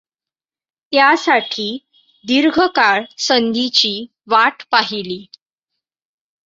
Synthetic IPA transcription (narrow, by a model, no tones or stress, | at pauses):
t̪jasaʈʰiː | d̪iɾɡʱəkaɭsənd̪it͡ɕiː | ʋaʈpaɦiliː